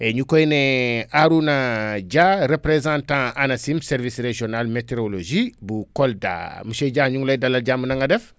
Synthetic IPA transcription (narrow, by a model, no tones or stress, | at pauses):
eɲukojneaɾunaɟaɾepɾezãntãanasimsɛɾvisɾeʒionalmeteɾoloʒibukolda̰muʃeɟaɲuŋlajdalːɐlɟamunaŋɡadɛf